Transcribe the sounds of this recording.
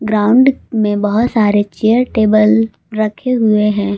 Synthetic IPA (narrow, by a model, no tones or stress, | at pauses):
ɡɾaːʊ̃ɳɖmẽbɐɦʊt̪saːɾet͡ʃeːəɾʈeːbəl | ɾɐkʰeɦʊeɦɛ̃ː